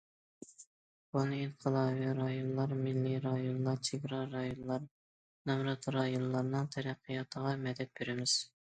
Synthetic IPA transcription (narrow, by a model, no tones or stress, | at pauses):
b̥unɨinqʰəlˠɑviɾɑjonlˠɑɾmɪlːiɾɑjonlˠɑɾt͡ʃʰeɡɾɑɾɑjonlˠɑɾ | nɑmɾɑt̪ɾɑjonlˠɑɾnɨŋt̪ʰɛɾɛqʰːijɑt̪ʰəʁɑmɛd̪ɛt̪̚beɾɪmɪz̥